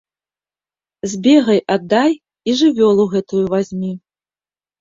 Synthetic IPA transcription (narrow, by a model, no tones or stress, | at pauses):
zʲbʲɛɣɐjʔad̪ːaj | iʐɨvʲɔlˠɐɣɛt̪ujuvazʲmʲi